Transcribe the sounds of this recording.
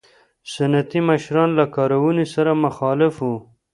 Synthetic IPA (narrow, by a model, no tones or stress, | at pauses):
sanat̪imaʃɾɑnlakɑɾawunisaɾamaxɑlɪfu